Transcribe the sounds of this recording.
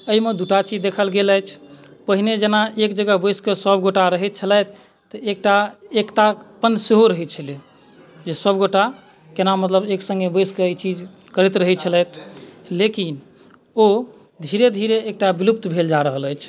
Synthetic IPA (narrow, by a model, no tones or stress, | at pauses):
əimed̪uʈat͡ʃid͡ʒd̪ekʰəlɡeləjt͡ʃʰpəɦined͡ʒenaekd͡ʒəɡəɦbəskesəbʱɡoʈaɾəɦɛt̪̚t͡ʃʰəlɛjt̪̚ʰː | əek̚ʈaekʈapənseɦoɾəɦɛt̪̚t͡ʃʰəle | d͡ʒesəbɡoʈa | kenamət̪ləbeksə̃ŋɡebəskeit͡ʃid͡ʒ | kəɾit̪ɾəɦɛt̪̚t͡ʃʰəlɛjt̪ʰlekin | o | d̪ʱiɾed̪ʱiɾeːk̚ʈabilup̚t̪bʱeld͡ʒaɾəɦələjt͡ʃʰ